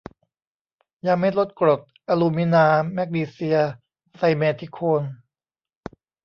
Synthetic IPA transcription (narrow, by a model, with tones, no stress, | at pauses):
ja˧ŋme˦˥˩lo˦˥t̪̚kɾo˨˩t̪̚ʔaː˧luː˧mi˦˥naː˧mɛ˦˥k̚niː˧si˧ɐ | sa˧jmɛː˧t̪ʰi˦˥kʰoː˧n